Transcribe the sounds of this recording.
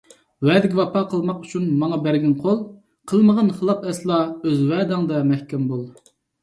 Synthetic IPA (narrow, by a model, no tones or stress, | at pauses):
wɛːd̪ɪkʲivɑpɑqʰəlˠmɑqy̥t͡ʃʰynmɑŋɑbæɾɡʲɛnqʰolˠ | qʰəlˠməʁənχəlˠɑpɛslˠɑøzwɛːd̪ɑŋd̪ɛmɛhkʲɛmbolˠ